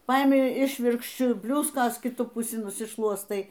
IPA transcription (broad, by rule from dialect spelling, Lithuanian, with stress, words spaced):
ˈpɐɪmʲɪ ˈɪʃʲʋʲɪrkʃʲt͡ʃʲʊ ˈbʲlʲʊskoːs kʲɪˈtʊ pʊˈsʲɪ nʊsʲɪˈʃlˠuɔstɐɪ